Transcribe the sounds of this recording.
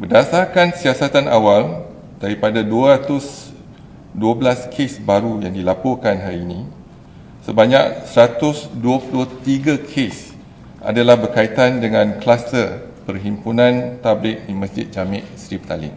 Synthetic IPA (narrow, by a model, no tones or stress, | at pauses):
bərdasarkansiasat̪anawal | d̥aɾipadaduaɾat̪ʊs | duəbəlaskʰesbaɾujaŋdilapɔrkanɦaɾiːnĩ | səbaɲak̚səɾat̪ʊsduəpuduət̪iɡakʰes | ʔa̰dalahbərkait̪andəŋãnklast̪ərpərɦimpunãnt̪ablɪt̪̚dimə̃sd͡ʒɪt̪̚d͡ʒamɪʔsɾip̚t̪alɪ̰ŋ